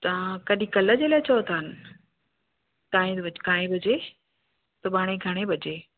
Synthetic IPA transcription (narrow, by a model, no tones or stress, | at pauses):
t̪ɐʋ̤ãkɐɗĩkɐləd͡ʑeːlaːɪt͡ɕɐot̪ʰaːɦɪnɪ̆ | k̪aːẽɐkãːẽbɐd͡ʑe | t̪ɐɓaːɽ̃eɡʱɐɽ̃ebɐd͡ʑeː